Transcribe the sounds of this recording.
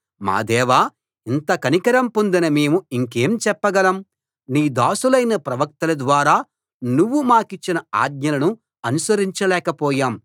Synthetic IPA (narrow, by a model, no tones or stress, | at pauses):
ma̰ːd̪ɛːʋaː | int̪ɐkɐnikɐɾɐmpond̪inɐmeːmuiŋkeːmt͡ʃɛpːɐɡɐlɐm | niːd̪aːsulɐjnɐpɾɐʋɐk̚t̪ɐlɐd̪ʋaːɾaː | nuʋːumaːkit͡ʃːinɐa̰ːd̪̚ɲɐlɐnu | ɐnusɐɾiɲt͡ʃɐlɛːkɐpɔːjaːm